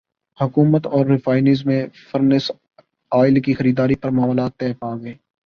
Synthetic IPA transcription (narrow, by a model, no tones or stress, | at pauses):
hʊkuːmət̪ɔːɾːɪfaːɪniːzmẽfəɾnɪs | aːɪlkixɐɾiːd̪aːɾipɐɾmɐɦɔːlaːt̪ːɛːpaːɡɐeː